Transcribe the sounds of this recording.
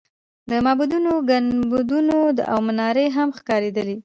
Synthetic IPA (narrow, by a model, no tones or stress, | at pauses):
d̪əmɑbud̪unoɡanbud̪unod̪əʔawmanɑɾeɦamxkɑɾed̪əli